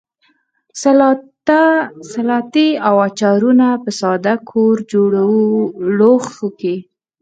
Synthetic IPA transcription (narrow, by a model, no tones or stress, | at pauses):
salɑt̪iawat͡ʃɑɾunapəsɑd̪akʰoɾd͡ʒoɽawloxuki